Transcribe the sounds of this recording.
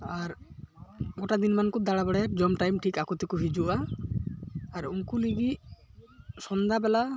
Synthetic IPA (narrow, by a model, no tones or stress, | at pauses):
aɾ | ɡɔʈad̪inmankud̪aɽabɛɽɛɾd͡ʒɔmʈajmʈʰikakut̪ikuɦid͡ʒuʔa | ɾuŋkuliɡiʔ | sɔnd̪abɛla